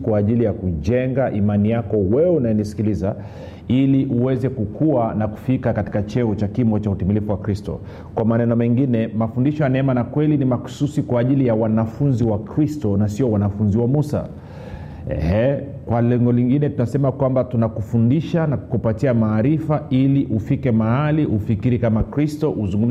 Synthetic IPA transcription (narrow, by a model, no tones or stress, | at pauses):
kwaːʄilijakuʄɛŋɡaʔimanijakɔwɛɛunajɛnisi̥kiliza | iliʔuwɛzɛkukʰuanaku̥fikakati̥kat͡ʃɛɔt͡ʃakimɔt͡ʃautimilifuwakɾistɔ̰ | kwamanɛnɔmɛŋɡinɛmafundiʃɔjanaɛmanakwɛlinimaku̥susikwaːʄilijawanafunziwakɾistɔnasiɔwanafunziwamusa̰ | ɛ̰hɛkwalɛŋɡɔliŋɡinɛtunasɛmakwambatunakufundiʃanaku̥kupatiamaːɾifailiʔufikɛmahaliʔufikiɾikamakɾistɔʔuzuŋɡum